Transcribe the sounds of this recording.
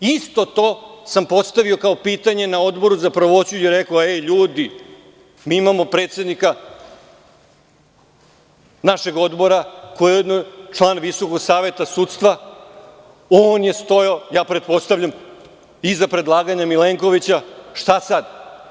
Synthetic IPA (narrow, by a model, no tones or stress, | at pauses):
ist̪o̞t̪o̞ːsampo̞t̪st̪aʋio̞kao̞piːt̪aɲe̞nao̞d̪bo̞ɾuzapɾoʋo̞t͡ɕujeɾekoeʎuːd̪i | miːimamo̞pɾe̞ːt̪sʲed̪nika | naʃe̞ɡo̞d̪bo̞ɾako̞jejed̪not͡ʂlˠaːnʋiso̞ko̞ɡsaːʋe̞t̪asuːt̪st̪ʋa | oːnje̞st̪o̞jojaːpɾe̞t̪̚po̞st̪aʋʎam | izapɾe̞d̪lˠaːɡaɲamileŋko̞ʋit͡ɕaʃt̪asad̪